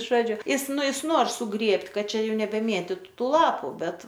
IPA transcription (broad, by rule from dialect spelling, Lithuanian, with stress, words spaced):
ˈʒoːd͡ʒʲʊ ˈjɪs ˈnʊ jɪs ˈnoːr sʊˈɡrʲeːpʲtʲ ˈkɐt ˈt͡ʃʲɛ ˈjuː nʲɛbʲɛˈmʲeːtʲiːtʊ tuː ˈlˠɑːpʊ ˈbʲɛt